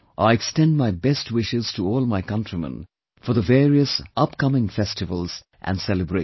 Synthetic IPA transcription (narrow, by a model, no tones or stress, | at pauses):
ʔaɪɛkstɛ̃nd̚maɪbɛst̚wɪʃɪz̥tʰuɔːlˠmaɪkʌ̃ntɹ̥imə̰̃n | fɔðəveːɹiəsʌpkʌmɪ̃ŋfɛstɨvəlˠz̥ | ʔæ̰̃nsɛlɨbɹe